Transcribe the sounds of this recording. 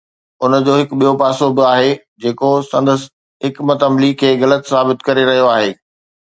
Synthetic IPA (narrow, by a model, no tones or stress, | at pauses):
ʊnəd͡ʑoːɦɪkɓijopaːsobɪaːɦe | d͡ʑeːkosɐ̃nd̪əs | ɦɪkmɐt̪ɐmlikʰeːɣɐlət̪saːbɪt̪kɐɾeɾɐɦijoaːɦeː